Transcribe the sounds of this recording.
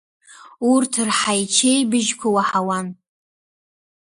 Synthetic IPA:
urtʰɨrħajt͡ʃʰejbɨʒkʷʰawaħawan

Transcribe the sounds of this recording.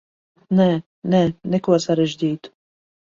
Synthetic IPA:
nɛ | nɛnɛkːwɐsɐɾɛd͡ʒd̪iːt̪

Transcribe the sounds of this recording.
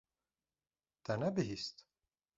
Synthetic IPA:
d̪̥ænɛbiɦist̪

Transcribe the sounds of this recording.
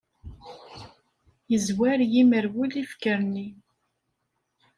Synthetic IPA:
jəzwæɾjiməɾwulifkəɾni

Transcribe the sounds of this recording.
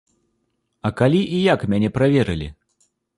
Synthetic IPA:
ɐkalʲiʔijakmʲanʲɛpɾavʲɛɾɨlʲḭ

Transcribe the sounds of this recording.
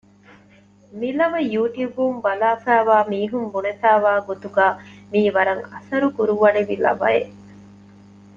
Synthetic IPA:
milɐʋɐjuːʈjuːbumbɐlaːfæːʋaːmiːɦumbunet̪æːʋaːɡot̪uɡaːmiːʋɐɾɐŋɐsɐɾukuɾuʋɐneʋilɐ̰bɐ̰e

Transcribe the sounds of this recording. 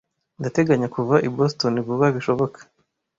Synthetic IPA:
ndate̞ɡaɲakuvaʔibosto̞nivuβaβiʃo̞βo̞kḁ

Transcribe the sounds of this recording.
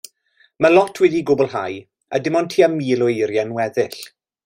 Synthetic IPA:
məlˠɔtʰwɛðiɡʊbɔlˠɦaj | a̰dɪmɔntʰiːamiːlˠɔejɾjanwɛðɪɬ

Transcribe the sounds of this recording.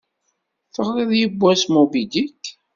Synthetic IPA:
θəʁðˤiðjəbːæsmubid̪ik

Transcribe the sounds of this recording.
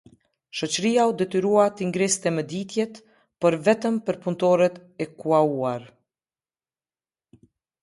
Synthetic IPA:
ʃɔt͡ɕəɾijaud̪ɛt̪iɾuat̪əiŋɡɾɛsi̥t̪ɛməd̪it̪jɛt̪ | pəɾvɛt̪əmpəɾpunt̪ɔɾɛt̪ɛkuauaɾ

